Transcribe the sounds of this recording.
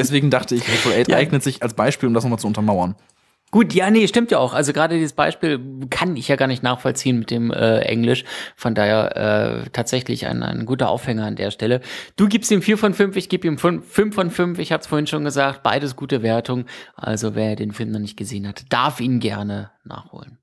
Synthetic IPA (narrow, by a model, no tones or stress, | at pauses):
dɛsv̥eːɡŋ̩daχtəɪçɛfɔlʔɛːtʔaɪɡnətz̥ɪçalsb̥aɪʃpiːlʊmdasnɔχmat͡suʊntɐmaʊɐn | ɡ̥uːtjaːnəʃtɪmtjaːaʊxʔalzoɡʁaːdədiːzəsb̥aɪʃpiːlkʰanɪçjaːɡaːɐnɪçtnaːχfɔlt͡siːənmɪt̚d̥eːmʔɛ̰ːʔɛ̰ŋlɪʃfɔndaːheɐʔɛ̰ːtʰaːtz̥ɛçlɪ̰çʔa̰ɪna̰ɪnɡuːtɐʔa̰ʊfhɛŋɐandḛːɐʃtɛləd̥uːɡiːpstiːmfiːɐfɔnfʏmfɪçɡ̥iːbiːmfʏnfːʏmfɔnfʏmfɪçhaːbəsfoːɐɪnʃoːnɡəzaːk̚t̚b̥a̰ɪdəsɡ̥uːtəveːɐtʰʊŋʔa̰lzovḛɐjdeːnfɪlmnɔχnɪçt̚ɡ̥əzeːənhatd̥aɐfʔiːnənɡɛɐnəna̰ːχho̰ːlən